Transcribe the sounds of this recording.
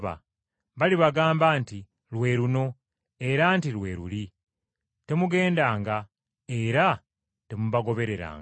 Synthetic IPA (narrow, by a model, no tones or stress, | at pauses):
βa̰ | βaliβaɡaːmbaːnti | lwe̞ɾuno̞ | e̞ɾantilwe̞ːɾṵli | te̞muɡe̞ːndaːŋɡa | eɾa | te̞muβaɡo̞βe̞ɾe̞ɾa̰ːŋ